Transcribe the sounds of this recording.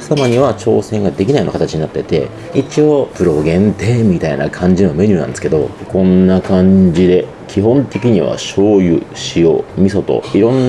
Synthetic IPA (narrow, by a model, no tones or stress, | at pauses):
samaɲ̟iβ̞at͡ɕo̞ːsẽ̞ŋɡad̪e̞kʲinaiona̰kat̪at͡ɕiɲ̟inat̪ːe̞t̪e̞̰ | it͡ɕio̞ːpɯ̟ɾo̞ɡẽ̞nt̪e̞ːmʲit̪aina̰kʰãɲ̟d͡ʑino̞me̞ɲ̟ɯ̟ːnã̰nd̪esɨ̥ke̞d̪o̞kõ̞nːakãɲ̟d͡ʑid̪e̞ | kʲiɦõ̞nt̪e̞kʲiɲ̟iβa̰ɕo̞ːjɯ̟̰ɕio̞̰ːmʲiso̞t̪o̞̰iɾõ̞nː